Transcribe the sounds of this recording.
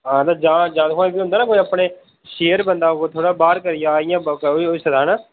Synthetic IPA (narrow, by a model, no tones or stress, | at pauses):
ɦãːt̪aːd͡ʒãːd͡ʒãːd̪ɦõebiːɦʊ̃nd̪aːnaːkoːiapɳeː | ʃeːəɾbənd̪aːt̪ʰoːɽaːbaːɾkəɾɪjãːɪjãːiiːsəd̪aːnaː